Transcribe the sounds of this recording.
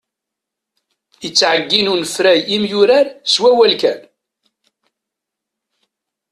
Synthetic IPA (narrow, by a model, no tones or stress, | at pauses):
jət͡sːʕəɡːinunəfɾæjimjʊɾæɾswæwælkæ̰n